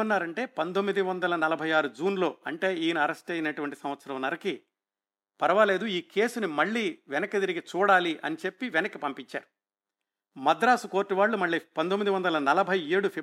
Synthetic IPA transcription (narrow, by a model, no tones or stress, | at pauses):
ɐnːaːɾɐɳʈe̞ːpɐnt̪omːid̪iʋɐnd̪ɐlɐnɐlɐbʱɐjaːɾud͡ʒuːnlo̞ːɐɳʈe̞ːiːniɐɾɐsʈɐjinɐʈuʋɐɳʈisɐmʋɐt̪sɐɾɐmnɐɾɐki | pɐɾɐʋaːle̞ːd̪uiːke̞ːsunimɐɭːiːʋɛnɐkɐt̪iɾiɡit͡ʃuːɽaːliʔɐ̰nit͡ʃe̞pːiʋɛnɐkːipɐmpiɲt͡ʃa̰ːɾu | mɐd̪ɾaːsuko̞ːɾʈːiʋaːɭːumɐɭːiːpɐnd̪omːid̪iʋɐnd̪ɐlɐnɐlɐbʱɐjeːɽupʰi